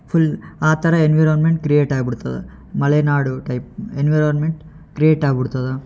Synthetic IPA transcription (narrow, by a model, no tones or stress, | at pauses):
pʰulaːt̪ɐɾɐenʋɐjɾɐnmeɳʈ̚kɾijeːʈaːɡbiɽut̪ːɐd̪ɐ̰ | mɐlenaːɽuʈɐjp̚enʋɐɾonmeɳʈ | kɾijeːʈaːɡbiɽut̪ːɐd̪e